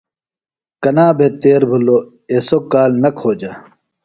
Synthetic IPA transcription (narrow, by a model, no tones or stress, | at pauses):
kɐnaːbʱet̪eːɾbʱulo | esokːaːlnɐkʰoːd͡ʑa